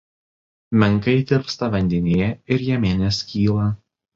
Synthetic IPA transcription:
mʲɛŋˑkɐɪd̪ʲɪɾpst̪ɐʋɐnʲd̪ʲɛnʲejɛɪɾjɛmʲeːnʲeːskʲiːlˠɐ

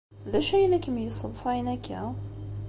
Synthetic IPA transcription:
ðæʃæjnækəmjəsˤːəlsˤɑnækʰːæ

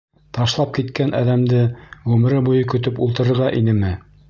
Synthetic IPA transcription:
t̪ɑʃlˠɑp̚kit̪kænʔæ̰ðæmd̪ɘʁʉmɘ̆ɾɘbujɤkɵ̆t̪ɵpulˠt̪ɤ̆ɾɤ̆ɾʁɑʔinɘmɘ

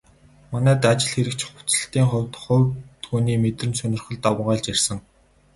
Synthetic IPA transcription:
manæːt̪at͡ɕɪ̆ɮxeɾɘ̆kt͡ɕʰχʊ̥t͡sə̥̆ɬt̪iːŋχʊ̟wʲt̪χʊwt̪ɡuːniːmet̪rɘ̆nsɵnʲɪ̆rχə̆ɮt̪awʁaːɮt͡ɕar̥ʲsə̆ŋ

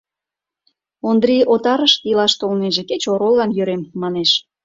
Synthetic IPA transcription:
ond̪ɾiot̪ɑɾəʃilɑʃt̪olneʒĕket͡ɕoɾolːɑnjøɾemːɑneʃ

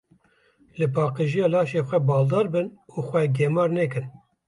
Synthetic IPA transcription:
lɨpɑːqɨʒijɑːlɑːʃeːxʷɛbɑːld̪ɑːɾbɨnuːxʷɛɡɛmɑːɾnɛkɨn

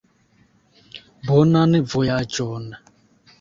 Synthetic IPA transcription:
bɔnanivɔjad͡ʒɔːna

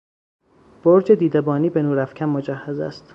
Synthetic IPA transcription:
b̥oɾd͡ʒed̪iːd̪ebɒːniːbenuːɾæfcʰæmmod͡ʒæhːæzæ̰st̪

